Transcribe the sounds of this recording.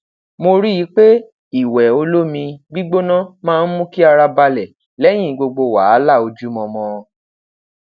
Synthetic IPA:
mo˧ɾi˦ji˨˦k͡pe˦ | i˦˨wɛ˨o˧lo˦mĩ˧ɡ͡bi˦ɡ͡bo˦nã˦mãː˦˧n̩˦mũ˦ki˦a˧ɾa˧ba˧lɛ˨ | lɛ˦j̃ĩ˦˨ɡ͡bo˧ɡ͡bo˧wa˨˦la˦˨o˧d͡ʒu˦mɔ̃˧mɔ̃˧

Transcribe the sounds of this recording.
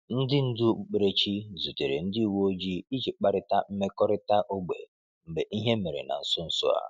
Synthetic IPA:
n̩˦dɪ˦n̩˦dʊ˦k͡pk͡pe˨ɾe˨t͡ʃi˦zu˨te˨ɾḛ˨n̩˦di˦˨wo˦o˦d͡ʒi˦i˦t͡ʃi˨k͡pa˦ɾɪ˦ta˦m̩˦me˦kɔ˦ɾɪ˦ta˦ʔo˦ɡ͡bḛ˨ | m̩˨ɡ͡be˨ʔi˦ɦe˦me˨ɾḛ˨na̰˨n̩˨sʊ˦n̩˦sʊ̰˦a̰˦

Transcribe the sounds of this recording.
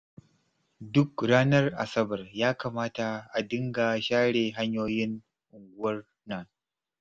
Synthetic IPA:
dʊ˦kɽaː˦nɐ˦rʔa̰˨sɐ˦bɐ˨rjaː˦kaː˨maː˦ta˨ʔa˨dɪ˦ŋɡa˨ʃaː˦ɽeː˨ɦa˦ɲjoː˦jɪ˦n | ʔʊ˨ŋɡʷʊ˦wɐ˦r | na˨

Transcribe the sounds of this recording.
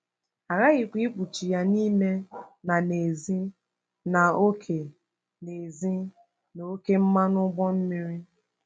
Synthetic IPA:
a˨ɾa˦ɣi˨kʷi˦k͡pu˨t͡ʃi˨ja˨ni˦me˦na˨ne˨zi˦ | na˨o˦kʰe˨ | ne˨zi˦ | no˨˦ke˦m̩˦ma˦nʊ˦ɡ͡bɔ˦m̩˦mi˦ɾi˦

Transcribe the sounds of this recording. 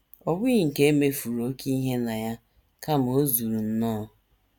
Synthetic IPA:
ɔ˦bi˦i˨ŋ̩˨ke˦me˦fu˨ɾo˦ki˦ɦe˦na˨ja˦ | ka˦m˨o˦zu˨ɾu˨n̩˦nɔː˦

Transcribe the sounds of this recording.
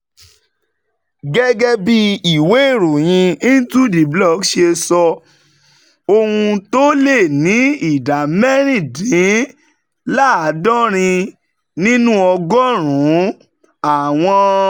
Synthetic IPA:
ɡɛ˦ɡɛ˦bi˦i˨we˨˦e˦˨ɾo˨j̃ĩ˧i˦n̩˦tu˦di˨blɔ˦˨kʃe˧sɔ˧ | o˧hũ˧to˦le˦˨nĩ˨˦i˨da˨mɛ˦ɾ̃ĩ˦˨dĩ˨˦ | la˦˨a˨˦dɔ̃˦ɾ̃ĩ˧ | nĩ˦nũ˦ɔ˧ɡɔ˦ɾ̃ũ˨˦ | a˨w̃ɔ̃˧

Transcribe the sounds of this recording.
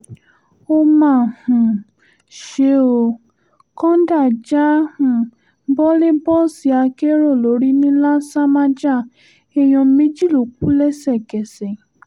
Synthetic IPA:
o˧mã˦˨hũ˨ | ʃe˨˦o˧˨ | kɔ̃˦da˦˨d͡ʒa˦hũ˨˦ | bɔ˦le˦bɔ˦si˨˦a˧ke˦ɾo˦˨lo˨˦ɾi˦nĩ˦la˦sa˦ma˦d͡ʒa˦˨ | ɛ˧j̃ɔ̃˧mẽ˦d͡ʒi˦˨lo˨k͡p̚u˨˦lɛ˦sɛ˦˨ɡɛ˨sɛ˨

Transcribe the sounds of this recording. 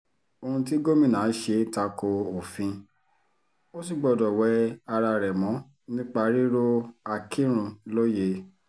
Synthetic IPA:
o˧hũ˧ti˦ɡo˦mĩ˦˨nã˨˦ʃe˧ta˧ko˧o˨fĩ˧ | o˦si˦˨ɡ͡bɔ˧˨dɔ˨wɛ˧˦a˧ɾa˧ɾɛ˨mɔ̃˨˦ | nĩ˦k͡pa˧ɾi˦ɾo˦a˧kʰĩ˦ɾ̃ũ˧lo˦je˧

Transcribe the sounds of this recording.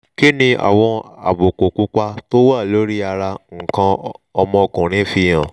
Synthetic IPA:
ki˦nĩ˧a̰˨w̃ɔ̃˧a̰˨bo˨ko˨ku˨˦k͡pa˧to˦wa˦˨lo˨˦ɾi˦a˧ɾa˧ŋ̩˨kã˧ɔ˧mɔ̃˧kũ˨ɾ̃ĩ˨˦fi˧j̃ã˨

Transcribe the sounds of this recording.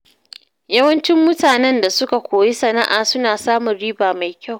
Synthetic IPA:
jɐ˦wɐ˦nt͡ʃɪ˦mːʊ˦taː˨nɛ˦nda˨sʊ˦ka˨kʷoː˨ji˦sɐ˨na˦ʔaː˨sʊ˦naː˨saː˦mʊ˨nɽiː˦baː˨ma˨jkʲa˦˨w

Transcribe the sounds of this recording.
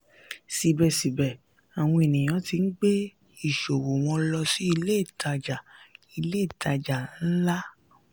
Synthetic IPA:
si˨bɛ˨si˨bɛ˨ | a˨w̃ɔ̃˧e˨nĩ˨j̃ã˨˦ti˧n̩˦ɡ͡be˦ | i˦˨ʃo˨wo˨w̃ɔ̃˧lɔ˧si˦i˧le˦˨ta˧d͡ʒa˨i˧le˦˨tʰa˧d͡ʒa˨n̩˦la˦

